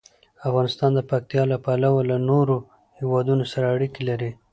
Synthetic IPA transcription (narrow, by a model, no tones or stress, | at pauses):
afɣɑnɪst̪ɑnd̪əpak̚t̪ijɑlapalawalanoɾo | hɪwɑd̪unosaɾaːɽikelaɾi